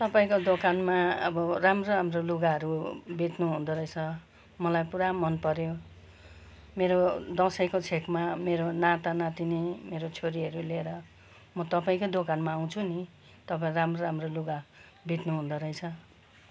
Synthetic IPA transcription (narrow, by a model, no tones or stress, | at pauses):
t̪ʌpaĩkod̪okanmaʌbʌramroamroluɡaɦʌɾubʱit̪nuɦũnd̪ʌɾʌjt͡sʰʌ | mʌlajpuɾamʌnpʌɾjo | meɾod̪ʌsʌjkot͡sʰekmameɾonat̪anat̪inimeɾot͡sʰoɾiʌɾuleɾʌ | mʌt̪ʌpaĩkod̪okanmaːw̃t͡sʰuni | t̪ʌpaĩɾamroɾamroluɡa | bʱit̪nuɦũnd̪ʌɾʌjt͡sʰʌ